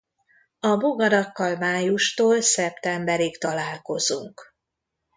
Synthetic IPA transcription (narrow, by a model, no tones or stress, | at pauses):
ɒboɡɒɾɒkːɒlmaːjuʃt̪oːlsɛpt̪ɛmbɛɾikt̪ɒlaːlko̞zṵŋk